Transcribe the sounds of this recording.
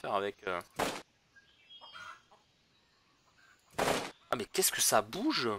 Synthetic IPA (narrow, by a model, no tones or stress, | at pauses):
fɛʁavɛkø | a̰mɛkʲɛskəsabuʒ